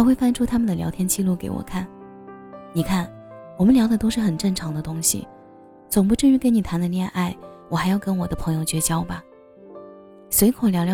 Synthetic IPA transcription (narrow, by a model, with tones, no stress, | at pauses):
ʊxwe˥˩ɪfa˥nʈ͡ʂʰu˥t̪ʰa˥mə˨nd̪ə˩ljɑ˧˥ʊt̪ʰjɛ˥nt͡ɕi˥˧lu˥˩kḛ˧˥ɪwɔ̰˨˩kʰa˥˩n | ni˨˩kʰa˥˩n | wɔ˨˩mə˦nljɑ˧˥ʊd̪ə˧t̪o˥ʊʂɻ̩˥˩xə˨˩nʈ͡ʂə˥˩ŋʈ͡ʂʰɑ˧˥ŋd̪ə˧t̪ʊ˥ŋɕḭ˨ | t͡sʊ˨˩ŋpu˧˥ʈ͡ʂɻ̩˥˧ɻ̩˥ke˧˥ni˨˩t̪ʰa˧˥nd̪ə˧ljɛ˥˧nʔa˥˩ɪwɔ˨˩xa˧˥ɪjɑ˥˩ʊkə˥nwɔ˨˩d̪ə˦pʰɤ˧˥ŋjo˧ʊt͡ɕɥɛ˧˥t͡ɕjɑ˥ʊbɐ˨ | swe˧˥ɪkʰo˨˥˩ljɑ˧˥ʊljɑ˧